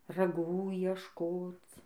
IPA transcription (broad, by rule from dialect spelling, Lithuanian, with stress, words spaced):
rɐˈɡuː iɛʃˈkoːt͡s